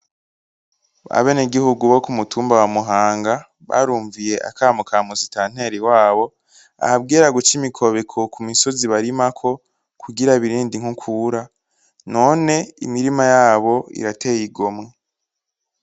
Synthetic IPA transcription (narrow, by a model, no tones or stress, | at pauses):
a̰βe̞ːneɡihuɡuβo̞kumutʰuːmbawamuɦaːŋɡa | βa̰ɾuːɱvije̞ʔa̰kaːmukamuzitaːn̥e̞ɾiwaːβo̞ | a̰hab̚ɡiːɾaɡut͡ʃimikʰo̞βekʰo̞kumiso̞ziβaɾimakʰo̞ | kʰuɡiɾaβiɾiːndiŋ̥hukʰuɾa | no̞ːne̞ḭmiɾimajaːβo̞ḭɾate̞jiɡo̞mŋe̞